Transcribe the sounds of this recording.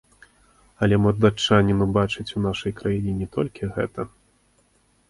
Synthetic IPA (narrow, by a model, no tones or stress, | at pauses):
ɐlʲɛmɐrd̪at͡ʂːanʲinubat͡ʂɨt͡sʲun̪aʂɐjkɾajinʲɛnʲɛt̪ɔlʲkʲiɣɛt̪ɐ